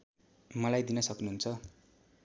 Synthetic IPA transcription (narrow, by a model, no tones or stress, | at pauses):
mʌlajd̪inʌsʌknuɦunt͡sʰʌ